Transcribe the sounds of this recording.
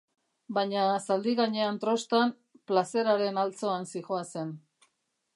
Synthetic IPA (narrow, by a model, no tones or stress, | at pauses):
bajɲasald̪iɣaɲe̞ant̪ɾo̞st̪am | plase̞ɾaɾe̞nalt͡so̞ansixoase̞n